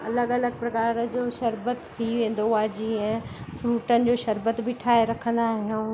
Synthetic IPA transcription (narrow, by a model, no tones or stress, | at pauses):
ɐ̰ləɡɐləɡ̚pɾɐkaːɾəd͡ʑoːʃɐɾbət̪ːʰiʋẽːn̆d̪oaːd͡ʑiːə̃fɾuːʈənɪ̆d͡ʑoːʃɐɾbət̪bɪʈʰaːeɾɐkʰə̃nd̪aːɦijũː